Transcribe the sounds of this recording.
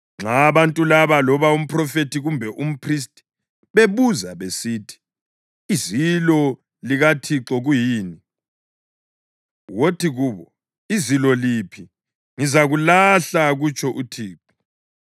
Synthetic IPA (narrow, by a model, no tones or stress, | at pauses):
ŋ͡ǁaβantʼulaβalɔβaum̩pʰʼrɔfetʰiɣumbʱɛʔum̩pʰris̬tʼi̥ | βeβuzaβesitʰi̥ | izilɔ | liɣatʰiǁɔɣujiːni | wotʰiɣuːβɔ | izilɔlipʰi | ŋizaɣulaɬaɣut͡ʃʼʰɔʔutʰiːǁɔ